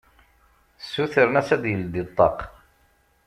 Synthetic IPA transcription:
sːuθəɾənæsæd̪jəld̪it̪ˤːɑ̰q

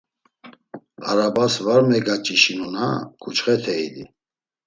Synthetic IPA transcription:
aɾabasvaɾmɛɡat͡ʃʼiʃinunakʰut͡ʃχɛt̪ʰɛilḭ

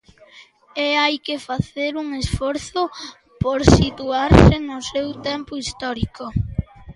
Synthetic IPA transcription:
ɛajkefaθeɾuŋesfɔɾθʊ | poɾsit̪uaɾsɪnʊsewt̪ɛmpʊist̪ɔɾikʊ

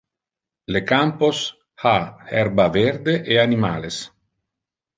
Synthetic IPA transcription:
lekampos | haɛɾbaveɾd̪eʔeanima̰ːles

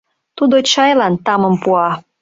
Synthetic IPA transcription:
t̪ud̪ot͡ɕɑjlɑnt̪ɑmə̆mpuɑ

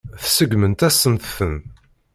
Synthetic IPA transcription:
θsəɡmənt̪æsːənθθən

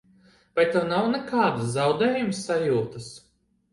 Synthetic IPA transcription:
vajt̪ːɛwnawnɛkaːd̪ɨszawd̪ɛːjumsːajuːt̪ɨs

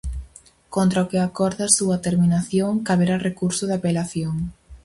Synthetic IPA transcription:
kont̪ɾaʊkɪakɔɾðasuɐt̪eɾminaθjoŋkaβeɾarekuɾsʊðapelaθjoŋ

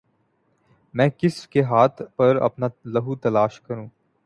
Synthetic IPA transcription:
mɛ̃ːkɪskeɦaːt̪ʰpɐɾɐ̰pnalɐɦut̪ɐlaːʃkɐɾũː

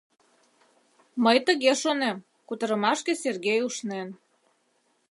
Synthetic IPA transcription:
məjt̪əɣeʃonem | kut̪əɾəmɑʃkeserɣejuʃnen

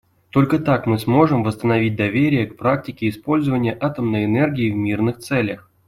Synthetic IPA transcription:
t̪o̞lʲkət̪akmɨsmo̞ʐɨmvəst̪ənɐvʲit̚ʲd̪ɐvʲeɾʲɪjəkpɾak̚tʲɪkʲɪːspo̞lʲzəvənʲɪjəʔat̪əmnəjɛnɛrɡʲijɪvmʲirnɨxt̪sɛlʲəx

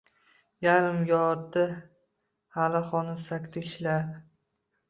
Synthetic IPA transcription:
jaɾɪmjɒɾt̪a | halaχɒnɪsakʲt̪ʰɪkʲʰʃlaɾ

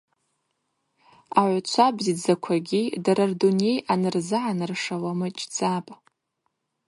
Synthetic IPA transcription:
aʕʷt͡ʃʷʰabzid͡zakʷʰaɡʲidaɾardune̞jʔanɨrzɨʕanɨrʂawamɨt͡ʃʼd͡zʼapʼ

